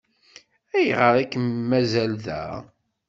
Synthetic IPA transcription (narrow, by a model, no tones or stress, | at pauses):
æjʁəɾˤækmmːæzælðæ̰